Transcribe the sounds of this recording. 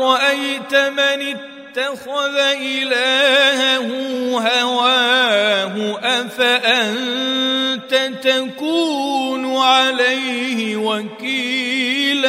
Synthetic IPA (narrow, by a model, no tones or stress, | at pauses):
ɑʔajt̪amanɪ | t̪ːaxʊðaʔɪlaːhahʊɦawaːɦʊʔafaʔan | t̪at̪akuːnʊʕalajhɪwaki | l